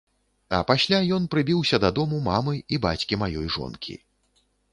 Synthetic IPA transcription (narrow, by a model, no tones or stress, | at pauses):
ɐ̰pasʲlʲajɔnpɾɨbʲiwsʲɐd̪ad̪ɔmumamɨibat͡sʲkʲimajɔjʐɔ̰nkʲʰḭ